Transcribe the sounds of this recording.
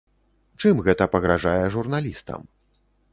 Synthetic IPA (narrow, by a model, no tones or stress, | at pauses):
t͡ʂɨmɣɛt̪ɐpɐɣɾaʐajɛʐurnalʲist̪ɐ̰m